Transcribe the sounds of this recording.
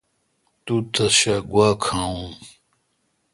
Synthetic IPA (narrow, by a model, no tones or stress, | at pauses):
t̪ut̪ʰɐɕaɡwaːkʰãũ